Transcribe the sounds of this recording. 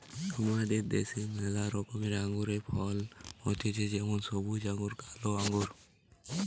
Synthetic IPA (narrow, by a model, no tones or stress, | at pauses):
tɔmad̪eɾd̪ḛsenəzaɾɔkɔmiɾaŋɡuɾepʰɔlɦot̪ʰet͡ʃʰed͡ʒɛmɔnsɔbud͡ʒaŋɡuɾkaloaŋɡuɾ